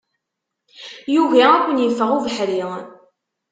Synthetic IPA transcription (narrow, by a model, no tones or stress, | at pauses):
juvæækʷːənjəfːəʁuvəħɾiʁˤ